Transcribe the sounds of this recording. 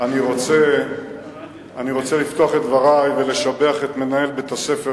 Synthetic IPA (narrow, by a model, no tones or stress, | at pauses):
aniʁo̞t͡se̞ | aniʁo̞t͡selift̪o̞aχet̪vaʁajve̞le̞ʃabe̞aχet̪me̞nae̞lbet̪ase̞fe